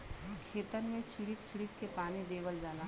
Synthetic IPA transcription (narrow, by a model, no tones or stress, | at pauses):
kʰeːt̪ənmẽt͡ʃʰɪɽikt͡ʃʰɪɽikːepaːnid̪eːʋəld͡ʒaːna